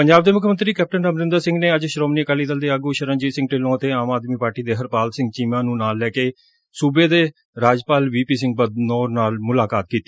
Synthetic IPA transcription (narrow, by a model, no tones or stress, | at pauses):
pəɲd͡ʒaːb̚d̪eːmʊkʰmə̃nt̪ɾiːkɛːp̚ʈənɾəmɾɪ̃nd̪əɾsɪ̃ŋɡneːəd͡ʒʃɾoːmniːəkəːliːt̪əld̪eːaːɡuːʃəɾə̃nd͡ʒiːsɪ̃ŋɡ̚ʈeːlõːət̪eːaːmaːd̪miːpaːɾʈiːd̪eːɦəɾpaːlsɪ̃ŋɡ̚t͡ʃiːmãːnũːnaːlːɛːkeː | suːbeːd̪eː | ɾaːd͡ʒpaːlʋiːpiːs̬ɪ̃ŋɡ̚bəd̪noːnaːlmʊlaːkaːt̪̚kiːt̪ːi̥ː